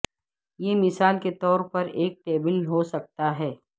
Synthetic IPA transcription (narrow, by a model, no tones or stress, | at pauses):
jemɪsaːlket̪ɔːɾpɐɾeːk̚ʈeːbəlɦosɐk̚t̪aɦɛː